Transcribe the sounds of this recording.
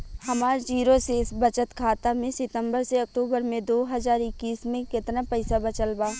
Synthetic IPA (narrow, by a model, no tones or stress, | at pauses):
hɐmaːɾd͡ʒiːɾosesbɐt͡ʃət̪kʰaːt̪amẽsɪt̪ə̃mbəɾseɐk̚ʈuːbəɾmẽd̪oːɦɐzaːɾɪkːiːsmẽkɪt̪napɐɪsabɐt͡ʃəlbaː